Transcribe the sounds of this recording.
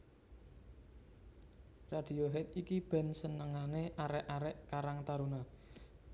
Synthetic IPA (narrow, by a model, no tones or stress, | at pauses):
rad̥i̤oɦɛt̪ikib̥ɛ̤nsənəŋaneʔaɾɛʔaɾɛʔkaɾaŋt̪aɾuna